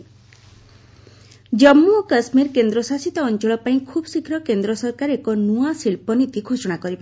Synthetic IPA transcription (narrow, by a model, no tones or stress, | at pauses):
d͡ʒɔmːukasmiɾkend̪ɾɔsasit̪ɔːnt͡ʃɔɭɔpaĩkʰubsikʰɾɔkend̪ɾɔsɔɾkaɾekɔnuasiɭpɔnit̪ikʰosɔɽ̃akɔɾiba